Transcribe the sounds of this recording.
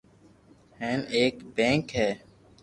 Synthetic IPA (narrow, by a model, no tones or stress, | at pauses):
hɛ̃ːneːkbɛ̃ːŋkɦɛː